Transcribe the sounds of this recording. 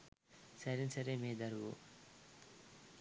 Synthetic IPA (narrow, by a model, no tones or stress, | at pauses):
sɐɾinsɐɾemeːd̪ɐɾʋṵ